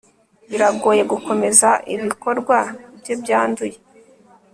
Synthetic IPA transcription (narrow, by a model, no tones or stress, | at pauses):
βiɾaɡo̞ːje̞ɡuko̞me̞zaʔiβiko̞ɾɡwaibjo̞bjaːnduje̞